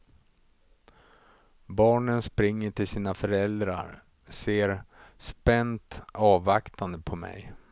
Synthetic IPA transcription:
bɑːɳənspɾɪŋːəʈʰɪlsiːnafœɾɛld̪ɾa̰ɾ | seːɾspɛnt̪ɑːvakt̪ʰand̪əpʰɔmɛ̰j

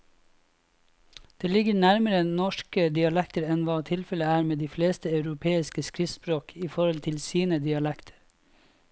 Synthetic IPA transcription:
d̪̥eːlɪɡəɳæɾməɾənɔʃkəd̪ɪɑlɛk̚t̪əɾɛnʋɑːt̪ʰɪlfɛləæːɾmeːd̪iːfleːst̪əɑʉɾʊpʰeːɪskəskɾɪspɾoːkʰiːfɔɾɔlt̪ʰɪlsiːnəd̪ɪɑlɛkt̪ʰə̥ɾ

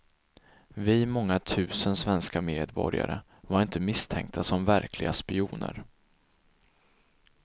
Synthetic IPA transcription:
vɪmɔŋːat̪ʰʉ̟ːsənsvɛnskameːd̪bɔ̰ɾja̰ɾə̰ | vaɾɪnt̪ʰəmɪst̪ʰɛŋk̚t̪ʰasɔmvæɾkʰlɪɡaspɪuːnə̰ɾ

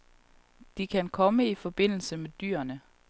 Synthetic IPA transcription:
d̥ikʰænkʰɒ̽məifɒ̽b̥e̝n̰l̩səmed̥y̰ːɐnə

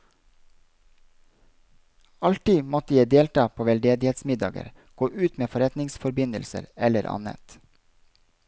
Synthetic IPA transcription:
ɑlt̪ɪmɔt̪əjæɪd̪eːlt̪ɑːpʰoːʋɛld̪eːd̪ɪheːt̪smɪd̪ɑ̰ːɡə̰ɾ | ɡ̥oːʔʉːt̪meːfɔɾɛt̪nɪŋsfɔɾbɪnəlsə̰ɾɛləɾʔɑ̰nə̰t̪

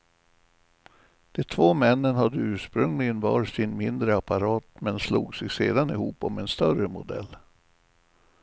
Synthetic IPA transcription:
d̪̥ɛt̪ʰvoːmɛnːənhad̪ːəʉ̟ːʂpɾɵŋlɪɡənvɑ̰ːɾsɪnmɪnd̪ɾəapaɾɑːt̪mɛnsluːɡsɛɡsḛːd̪anɪhuːpɔmɛnst̪œrəmʊ̰d̪ɛ̰lː

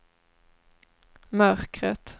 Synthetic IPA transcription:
mœɾkɾət̪

